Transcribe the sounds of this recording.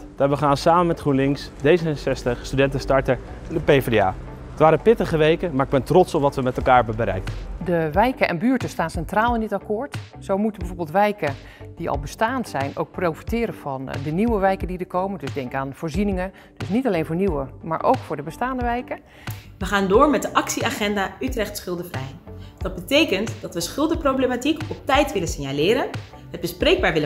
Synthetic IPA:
d̥aːʋəχaːnsaːməmɛtχrunlɪŋks | dejzəɛsɛstəχstydɛntənstɑɹtəɹ | ndəpejfdea̰ː | ətʋaːɾəpɪtəχəʋejkəmaːɹɪɡ̚bɛntrɔtsɔpʋɑtʋəmɛtɛlˠkaːɹbəbəɾɛ̰jkədəʋɛjkəʔɛ̰nbyːɹtəstaːnsɛntraːlˠɪndɪtakʊːɹt | sowmutəbəvoːɹbɪlˠtʋɛjkə | d̥iɑ̰lˠbəstaːnsɛjno̰wk̚prowfi̥tɪːɾəv̥ɑndəniwəʋɛjkəndidəɹkowməndɵzdɛŋkaːnv̥ʊːɹzinɪŋə | d̥ɵsnitɑlejnvʊːɹniwəma̰ːɹʔo̰wkfʊːɹdəbəstaːndəʋɛjkə | ʋəχaːndʊːɹmɛt̚dəʔɑksiaːχɛndaːytrɛχtsχɪlˠdəvrɛjd̥ɑd̚bətejkəntd̥ɑtʋəsχɪlˠdəprowblematikɔp̚tɛjtʋɪlənsɪnjalɪːɾən | ɦəd̚bəsprejɡ̚baːɹʋɪlə

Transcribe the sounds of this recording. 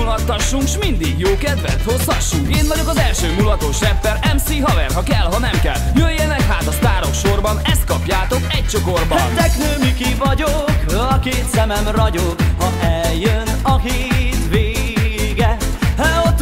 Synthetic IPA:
ulɒt̪ːɒʃːuŋkʃmind̪iɡjoːkɛd̪ʋɛ̰nt̪ho̞shɒʃːuŋkeːnvɒɟo̞kɒzɛlʃøːmulɒt̪o̞ʃrɛpːɛɾɛmsiɦɒvɛrɦɒkɛlɦɒnɛmkɛ̰ljøjɛnɛkɦaːt̪ɒst̪aːɾo̞kʃːo̞rbɒnɛst̪̚kɒpjaːt̪o̞kɛc̚t͡ʃo̞ko̞rbɒɛnt̪ɛknøːmikivɒɟokøɒkeːt̪sɛmɛmrɒɟokhɒʔɛljønɒɦit̪ʋeːɡɛhɛot̪ː

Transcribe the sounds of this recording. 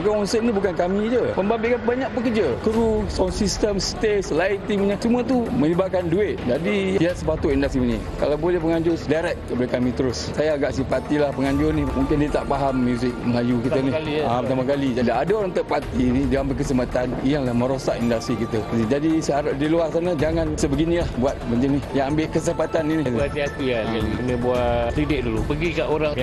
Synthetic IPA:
kaɔnsəʔ̚nibukankamĩd͡ʒəpəmbabɪʔkanbaɲaʔ̚pək̬ərd͡ʒakəɾusɔnsist̪əmst̪eslait̪iŋɲəsəmũat̪̬umə̃libaʔkanduɪt̪̚d͡ʒadijiat̪səpat̪ʊʔindast̪ɾini | ka̰lawbolɛhpəŋaɲd͡ʒʊsdaɾɛk̚kəpalakamĩt̪əɾʊssajaːɡaʔsipat̪ilahpəŋaɲd͡ʒʊrnimũŋkɪndiət̪aʔpaɦamːjuzɪk̚məlajukit̪əniapət̪amakalid͡ʒalaadaoɾaŋt̪əʔpat̪inidaambeʔkəsəmpat̪anijaŋlahmə̃ɾosaʔindast̪ɾikit̪əid͡ʒadisaɾʊsdiluasanad͡ʒaŋansəbəɡinĩlahbuat̪̚bəɲd͡ʒinijaŋambeʔkəsəmpat̪anːiniat̪iat̪ujaakənəbuak̪ɾidɪk̚dulupəɡikaʔoɾaŋ

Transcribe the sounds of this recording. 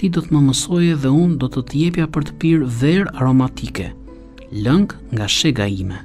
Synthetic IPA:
t̪id̪ɔt̪əməməsɔjɛðɛund̪ɔt̪ət̪əjɛpjapəɾt̪ə̥piɾvɛɾaɾɔmat̪ikɛ̰ | ləŋk | ŋɡaʃɛɡaimɛ

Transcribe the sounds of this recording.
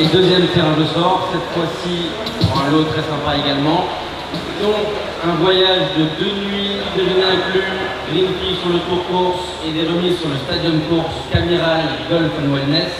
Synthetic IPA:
ed̪øzjɛmt̪ɛʁɛ̃ʁəsɔʁsɛt̪fwasi | puʁɛ̃lot̪χɛsɛ̃paeɡalmɑ̃ | d̪ɔ̃k | ɛ̃vwajaʒd̪əd̪ønɥĩ | t̪eʁinakyɡʁinpisyʁlot̪χɔkuʁs | ed̪eʁəmizsyʁləst̪ad̪jɔnkuʁskameʁalɡ̪ɔlfnwɛlnɛs

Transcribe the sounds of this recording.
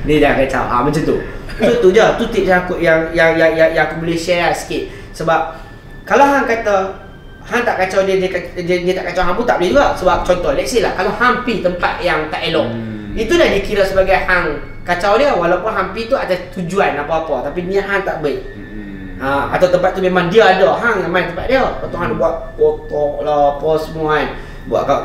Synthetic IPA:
diədakat͡ʃa̰wa̰mət͡ʃut̪ṵəsut̪udat̪ut̪ip̚akuʔjaŋjaŋjajajaŋkuməlesiaasə̥kɪt̪̚ | səbap̚ | kalawɦaŋkat̪a | haŋt̪aʔkat͡ʃawdiədiəkadiədiət̪aʔkat͡ʃawɦaŋpunt̪aʔblihd͡ʒuɡaʔsəbap̚t͡ʃɔnt̪ɔlɛk̚silahkalawhampit̪əmpat̪̚jaŋt̪aʔelɔʔ̚ | it̪udahdəkiɾəsəbaɡajhaŋ | kat͡ʃawdiəwalawpʊnɦampit̪uat̪at̪ud͡ʒuanapəapət̪apiniəɦaŋt̪aʔbəʔ̚ | əa̰t̪awt̪əmpat̪̚ːumemaŋdiəadəɦaŋmemãnt̪əmpat̪̚diəkɔt̪uɦaŋdbuat̪̚ | pɔlapəsəmuan | bua̰ʔ̪ka

